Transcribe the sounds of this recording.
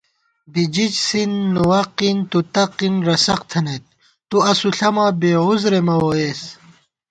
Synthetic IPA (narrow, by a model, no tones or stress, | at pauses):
bid͡ʑit͡ɕsinːuwɐqint̪ut̪ɐqinɾɐsɐqt̪ʰɐnet̪̚ | t̪uɐsuɬɐmabeːuzɾemɐwoes